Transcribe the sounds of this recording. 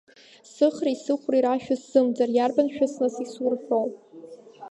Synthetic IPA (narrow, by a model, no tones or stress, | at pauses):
sɨχraisɨχʷriɾaʃᶣasz̥ɨmd͡zarjarbanʃᶣasnɨsisurħow